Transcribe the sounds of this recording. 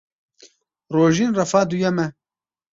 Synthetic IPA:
roːʒinrɐfaːd̪ujɛmɛ

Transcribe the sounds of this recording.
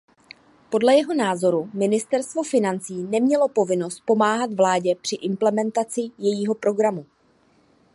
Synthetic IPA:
po̞dlɛjɛɦo̞naːzo̞ɾumɪnɪst̪ɛɾst̪vo̞fɪnant͡siːnɛmɲɛlo̞po̞vɪno̞st̪̚po̞maːɦat̪vlaːɟɛpr̝̥ɪʔɪmplɛmɛnt̪at͡sɪjɛjiːɦo̞pɾo̞ɡɾamu

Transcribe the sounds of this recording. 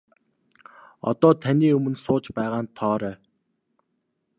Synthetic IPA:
ɔ̰t̪ɔːt̪ʰaniːɵmɵ̆nsʊːt͡ɕpæːʁaːnt̪ʰɔːɾæː

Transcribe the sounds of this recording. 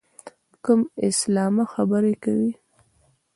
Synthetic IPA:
kəmɪslɑmaxabəɾekawi

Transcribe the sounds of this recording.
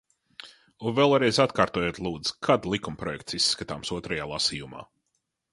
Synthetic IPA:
uvɛlˠɾɛjzat̪kaːɾt̪oɔjoːt̪lˠuːd̪z̥kʰad̪lˠikumpɾɔjɛkt̪sisːkat̪a̰ːmsuɔt̪ɾajaːlˠasiːjuma̰ː

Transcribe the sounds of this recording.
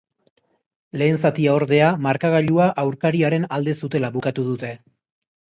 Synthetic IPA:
le̞ːnsat̪iao̞ɾðe̞amaɾkaɣ̞aʎuaʔawɾkaɾiaɾe̞nald̪e̞sut̪e̞laβukat̪uð̞ut̪e̞

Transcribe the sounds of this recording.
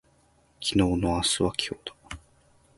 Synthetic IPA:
kʲino̞ːno̞asɨβakʲʰo̞ːd̪̥ḁ

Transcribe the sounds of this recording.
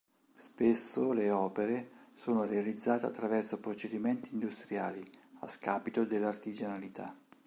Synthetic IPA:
spesːoleɔːpeɾesoːnorealid̪zːaːt̪ea̰t̪ːɾavɛrsopɾot͡ʃed̪imɛnt̪iːnd̪ust̪ɾjaːlia̰skaːpit̪od̪elːart̪id͡ʒanalit̪a̰

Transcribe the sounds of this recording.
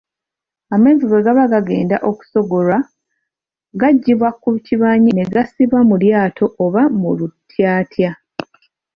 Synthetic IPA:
ame̞ːnziɡeɡaβaɡaɡe̞ːnda̰ʔo̞ku̥so̞ɡo̞lwa | ɡaɟːiβwakuβciβaːɲine̞ɡasiβwamuljaːtʰo̞ʔoβamulutːjaːtja

